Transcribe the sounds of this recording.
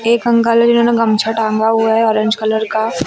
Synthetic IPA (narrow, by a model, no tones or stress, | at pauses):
eːkɦɐ̃ŋɡaːləd͡ʒɪnɦõːneɡɐmt͡ʃʰaʈʰãːŋɡaɦuaɦɛɔːɾə̃ɲd͡ʒkɐləɾka